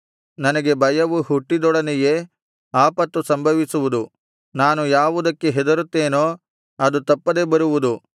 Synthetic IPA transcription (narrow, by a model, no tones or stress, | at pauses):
nɐnɐɡe̞bʱɐjɐʋuɦuʈːid̪ɔɽɐnɛje̞ | aːpɐt̪ːusɐmbʱɐʋisuʋud̪u | naːnujaːʋud̪ɐkːeɦɛd̪ɐɾut̪ːeːnoː | ɐd̪ut̪ɐpːɐd̪e̞bɐɾuʋud̪u